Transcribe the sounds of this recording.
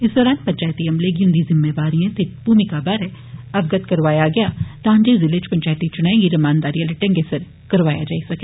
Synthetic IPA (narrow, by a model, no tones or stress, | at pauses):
ɪsd̪ɔːɾaːn̚pɐ̃ɲt͡ʃaːjt̪iɐmleɡjũnd̪izɪmːeːʋaːɾijẽt̪ɪb̥uːmikabaɾɛ | ɐbɡɐt̪kɐɾʋaːjaɡɐjaːt̪ãːɲd͡ʒezɪled͡ʒpɐ̃ɲt͡ʃaːjt̪it͡ʃʊnãːẽɡiɾɐmaːnd̪aːɾiɐlɐʈẽŋɡesɐɾ | kɐɾʋaːja̰d͡ʒaːisɐke